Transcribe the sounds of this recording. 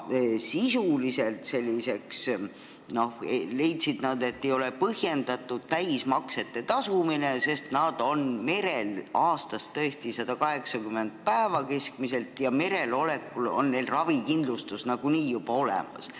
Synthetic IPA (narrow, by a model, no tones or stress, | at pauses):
sisulise̞lt̪se̞lʲːise̞ks | no̞hele̞jt̪sid̪̥nɑd̪̥e̞t̪ːe̞jo̞lepɤhje̞nd̪̥ɑt̪ːˑud̪̥̚t̪æjsmɑkse̞t̪ːe̞t̪ɑsumine̞se̞st̪nɑd̪̥o̞nme̞ɾe̞lɑːst̪ɑst̪t̪ːɤest̪isɑd̪̥ɑkɑɦe̞ksɑkymːe̞nd̪̥̚pæevɑke̞skmise̞lt̪ˑjɑme̞ɾe̞lo̞le̞kːˑulo̞̰nne̞jlrɑvikind̪lust̪usnɑɡ̥uniːjub̥ɑo̞lḛmɑ̰s